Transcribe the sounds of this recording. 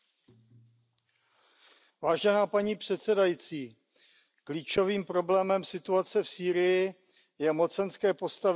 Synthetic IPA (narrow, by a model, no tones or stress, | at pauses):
vaːʒɛnaːpaɲiːpr̝̥ɛt̪sɛdajit͡siː | kliːt͡ʃo̞viːmpɾo̞blɛːmɛmsɪt̪uat͡sɛfsiːɾɪjɪ | jɛmo̞t͡sɛnskɛːpo̞st̪av